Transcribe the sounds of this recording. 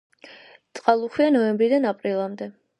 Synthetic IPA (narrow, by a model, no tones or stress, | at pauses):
t̪sʼqʼalˠuχwianɔɛmbɾid̪anapʼɾilˠamd̪ɛ